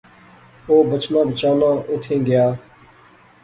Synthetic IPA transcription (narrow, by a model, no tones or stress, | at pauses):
oːbət͡ʃnãːbɪt͡ʃaːlãːʔʊʈ̪ʰẽːɡjaː